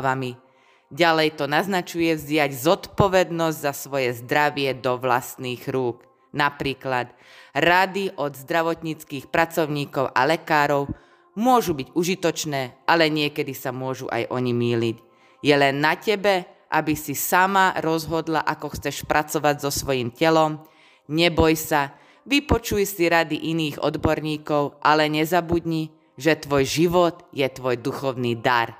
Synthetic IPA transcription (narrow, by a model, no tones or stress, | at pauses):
ʋami | ɟalɛjt̪ɔnaznat͡ʃujɛvzɟɪaɟzɔt̪pɔʋɛd̪nɔzɟzasʋɔjɛzd̪ɾaʋɪɛd̪ɔʋlast̪niːɣɾuːk | napɾiːklad̪ | ɾad̪iʔɔd̪zd̪ɾaʋɔt̪ɲit͡skiːxpɾat͡sɔʊɲiːkɔʊʔa̰lɛkaːɾɔʊ | mʊɔʒubiɟuʒit̪ɔt͡ʃnɛːʔalɛɲɪɛkɛd̪isamʊɔʒṵʔa̰jʔɔɲimiːliɟ | jɛlɛnːacɛbɛ | ʔabisisamaɾɔzɦɔd̪laʔakɔxt͡sɛʃpɾʔat͡sɔʋaɟzɔsʋɔjimcɛlɔm | ɲɛbɔjsa | ʋipɔt͡ʃujsiɾad̪iʔiniːɣɔ̰d̪bɔɾɲiːkɔʊʔalɛɲɛzabud̪ɲi | ʒɛt̪ʋɔjʒiʋɔd̪jɛt̪ʋɔjd̪uxɔʊniːd̪aɾ